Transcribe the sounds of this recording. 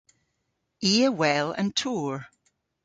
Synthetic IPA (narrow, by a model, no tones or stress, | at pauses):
iːəwɛlˠə̰̃ntʰuɹ